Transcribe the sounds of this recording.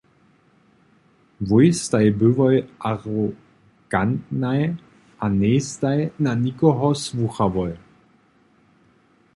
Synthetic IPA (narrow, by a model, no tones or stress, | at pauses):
vʊjstaɪbʏvɔʏʔaʁo | ɡ̥antnaj | ʔaneːstajnanikɔɦɔsvuxavɔʏ